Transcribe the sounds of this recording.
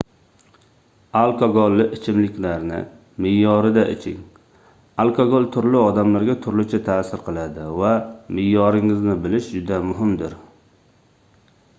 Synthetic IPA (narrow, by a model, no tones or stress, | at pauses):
alˠkʰoɡolˠːɪʔɪt͡ʃʰɪmlɪkʲlaɾnɪ̰ | mɪjːɒɾɪd̪aʔɪ̰t͡ʃʰɪ̰ŋ | alˠkʰoɡolˠt̪ʰʊɾlɪɒd̪amlaɾɡʲat̪ʰʊɾlɪt͡ʃʰɪt̪ʰaːsɪɾqʰɨlˠad̪ɪvamɪjːɒɾɪŋɪznɪbɪlɪʃd͡ʒʊd̪amʊɦɪmd̪ɪɾ